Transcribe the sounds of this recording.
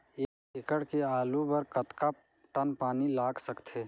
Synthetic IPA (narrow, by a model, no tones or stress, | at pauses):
eːkekəɽkeaːlubəɾkət̪ka | ʈənpaːnilaːɡsəkt̪ʰeː